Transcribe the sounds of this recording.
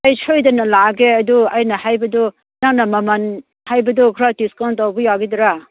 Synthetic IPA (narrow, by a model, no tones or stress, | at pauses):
ɐjsʰojdɐnɐlaɡeɐduɐjnahajbɐdɔ | naŋnamaman | hajbɐdɔkʰɾatiskawntawbɔjaɡidɾa